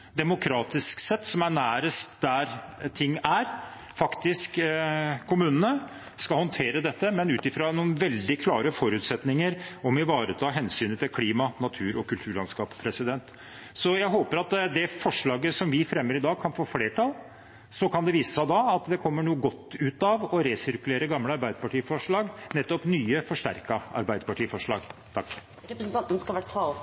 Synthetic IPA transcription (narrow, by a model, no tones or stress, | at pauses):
d̪ɛmʊkʰɾɑːt̪ɪsksɛt̪ːsɔmæɳæːɾəsd̪æɾt̪ʰɪŋːæɾ | fɑkt̪ɪskkʰʊmʉːnənə | skɑhɔnt̪ʰeːɾəd̪ɛt̪ːəmɛnʉːt̪ɪfɾɑnuːnʋɛld̪ɪkʰlɑːɾəfɔɾʉːt̪sɛt̪nɪŋəɾɔmɪʋɑːɾət̪ʰɑːɦɛnsyːnət̪ʰɪlkʰliːmɑnɑt̪ʰʉːɾɔkʰʉlt̪ʰʉːɭɑnskɑːppʰɾɛsɪd̪ɛnt̪ | sɔjæɪɦoːpəɾɑt̪d̪ɛfɔʂɭɑːɡəsɔmʋɪfɾɛmːəɾɪd̪ɑːɡ̚kʰɑnfoːfleːʈʰɑl | sɔkʰɑnd̪ɛʋiːsəsɑd̪ɑɑt̪d̪ɛkʰɔmːəɳuːəɡɔt̪ːʉːt̪ɑʋɔɾesɪɾkʉleːɾəɡɑmləɑɾbæɪd̪əɾpɑʈiːfɔʂɭɑːɡnɛt̪ːɔpnyːəfɔʂʈæ̰ɾkɑɑ̰ɾbæɪd̪əɾpɑʈʰiːfɔʂɭɑ̰ːɡt̪ʰɑkː | ɾɛpɾsn̩t̪ɑnt̪ənskɑlʋæɾt̪ʰɑl